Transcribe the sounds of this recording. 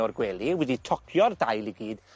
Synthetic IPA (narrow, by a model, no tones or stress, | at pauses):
ɔrɡwɛlˠiwɛditʰɔkʰjɔrdajlˠiɡiːd̥